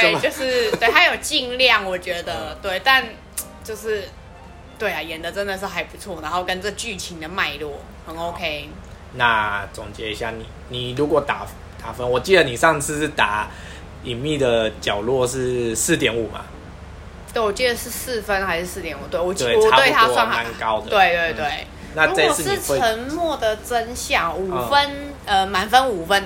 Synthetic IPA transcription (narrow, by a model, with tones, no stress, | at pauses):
t̪e˥jo˥˧ʊʂɻ̩˥˧t̪we˥˩ha˧˥ɪjo˨˩ʊt͡ɕi˥˧ŋljɑ˥˩ŋwɔ˨˩t͡ɕɥɛ˧˥d̪ə˧t̪we˥˩ɪt̪a˥˧n | t͡ɕjo˥˧ʊʂɻ̩˥˩ | t̪we˥˩ɪa˨˩jɛ˨˦nd̪ə˨ʈ͡ʂə˥˦nd̪ə˨ʂɻ̩˥˩xa˧˥ɪpu˧t͡sʰwɔ˥˩na˧˦nxo˥˧ʊkə˦nt͡sɤ˥˩t͡ɕy˥˩t͡ɕʰi˧˥ŋd̪ə˨ma˥˧ɪlwɔ˥˩ | hə˨˩˦no˧ʊkʰe˧˥ɪ | na˥˧t͡sʊ˨˩ŋt͡ɕjɛ˧˥i˧˥ɕja̰˥˩ni˨˩ni˨˩lu˧˥kwɔ˨˩t̪a̰˨˩ | t̪a˨˥fə˦nwɔ˨˩t͡ɕi˥˩d̪ə˨˩ni˨˩ʂɑ˥˧ŋt͡sʰɹ̩˥˧˥t̪a˨˩˦ | i˨˩nmi˥˩d̪ə˩t͡ɕjɑ˨˩ʊlwɔ˥˧ʂ̬ɻ̩˥˧sɹ̩˥˩t̪jɛ˨˩˦nu˨˩ma̰˨ | t̪we˥˩ɪwɔ˨˩t͡ɕi˥˩d̪ə˩ʂɻ̩˥˧s̩˥˩fə˦nxa˧˥ɪʂɻ̩˥sɹ̩˥˩t̪jɛ˨˩nu˨˩t̪we˥˩ɪwɔ˨˩we˥˩wɔ˨˩twe˥ɪt̪ʰa˥swa˥˩na˧˩nka˦ʊd̪t̪we˥ɪt̪we˥˧ɪt̪we˥˩ɪ | na˥˧u˦˥a˥˧˦t͡sʰə˧˦˥nmwɔ˥˩d̪ə˨˩t͡sə˦˥nɕjɑ˥˩ŋu˨˩fə˦n | ə˧ma˨˩nfə˦nu˨˩fə˦n